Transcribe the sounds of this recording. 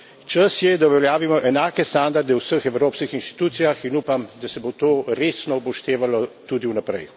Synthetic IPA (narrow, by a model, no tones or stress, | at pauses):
t͡ʃəsjɛd̪aɔʋɛljaːʋimɔʔɛnaːkɛst̪and̪aɾd̪ɛwsəxɛwɾoːpskixinʃt̪i̥t̪uːt̪sijaxinuːpamd̪asɛbot̪oːɾeːsnɔupɔʃt̪eːʋalɔt̪ud̪iunapɾɛ̰j